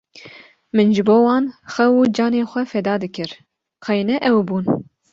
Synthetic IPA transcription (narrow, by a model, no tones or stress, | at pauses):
mɨnʒɨboːwɑːnxɛwuːd͡ʒɑːneːxʷɛfɛd̪ɑːd̪ɨkʰɨɾ | qʰɑjnɛʔɛwbuːn